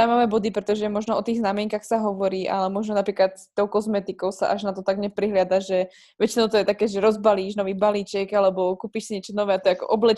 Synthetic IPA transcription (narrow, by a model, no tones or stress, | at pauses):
amamɛbɔd̪ipɾɛt̪ɔʒɛmɔʒnɔɔt̪iːɣznamɪɛŋkaxsaɦɔʋɔɾiːʔa̰lɛmɔʒnɔnapɾiːklat̪st̪ɔʊkɔzmɛt̪ikɔʊsa̰ʔa̰ʒnat̪ɔt̪aɡɲɛpɾiɦlɪad̪aʒɛ | ʋɛt͡ʃinɔʊt̪ɔjɛt̪akɛːʒɛɾɔzbaliːʒnɔʋiːbaliːt͡ʃɛɡalɛbɔkuːpiʃsiɲɛt͡ʃɔnɔʋɛːat̪ɔɛakɔ̰ʔɔblɛ